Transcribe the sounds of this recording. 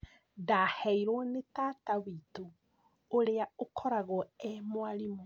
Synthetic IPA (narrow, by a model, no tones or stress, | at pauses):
dahɛiɾɔnetaːtawito | oɾeaokʰɔɾaɣɔɛmwaɾimo